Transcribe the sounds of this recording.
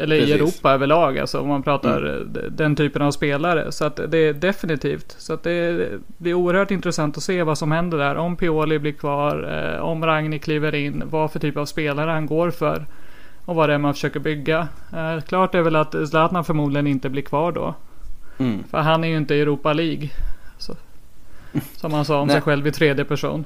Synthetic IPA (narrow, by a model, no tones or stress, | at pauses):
ɛlːəɾɪɛɾuːpaøːvəɭɑːɡa̰lsɔɔ̰manpʰɾɑːt̪a̰ɾd̪ɛnt̪ʰyːpənavspeːlaɾə̰sɔat̪d̪ɛːɖ̪ɛfɪnɪt̪ʰḭːft̪sɔat̪̚d̪ɛ | blɪæɾuːəɾhœːʈɪnt̪ɾɛsant̪ɔseːvasɔmhɛnd̪əɖæːɾʔɔmpʰɪoːlɪblɪɾkʰvɑːɾ̰ɔ̰mɾaŋnɪkʰliːvəɾɪnːvafœʈʰyːpavspeːlaɾəhanɡoːɾfœ̰ɾ | ɔvad̪ɛmanfə̥ʂøːkəɾbʏɡːa | kʰlɑːʈ̚d̪ɛæɾvɛlat̪slaːt̪nafœɾmuːd̪lɪɡənɪnt̪əblɪɾkʰvɑːɖɔ̰ | fœ̰ɾɦanːæɾjɵɪnt̪əɛɾuːpaliːɡs | sɔmhansɑːɔmssɛjɧɛlvɪt̪ʰɾeːd̪jəpæʂṵːn